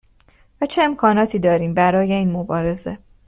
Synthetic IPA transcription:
væt͡ʃʰe̞emkʰɒːnɒːt̪ʰiːd̪ɒːɾiːmbæɾɒːje̞iːnmobɒːɾe̞ze

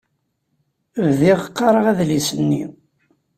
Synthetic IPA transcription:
vðiʁqːɑɾˤəʁæðlisənːi

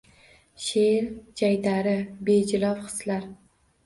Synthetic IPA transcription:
ʃeɾd͡ʒajd̪aɾɪbed͡ʒɪlɒfχɨ̥slaɾ

